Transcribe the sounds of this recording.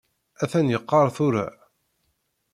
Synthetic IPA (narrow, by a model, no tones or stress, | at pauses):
æθænjəqːɑɾˤθʊɾa̰ʕ